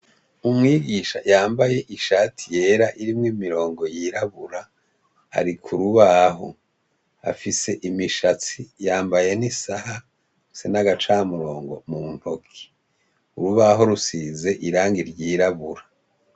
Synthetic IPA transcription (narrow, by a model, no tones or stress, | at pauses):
umŋiːɡiʃa̰jaːmbaje̞ʔiʃaːtʰije̞ːɾaʔiɾimŋimiɾo̞ːŋɡo̞jiɾaβuɾa | ha̰ɾikʰuɾuβaɦo̰ | a̰fise̞ʔimiʃat͡sijaːmbaje̞nisaha | fi̥se̞naɡat͡ʃaːmuɾo̞ːŋɡo̞mumokʰi̥ | uɾuβaɦo̞ɾusize̞ʔiɾaːŋɡiɾɟiːɾaβuɾa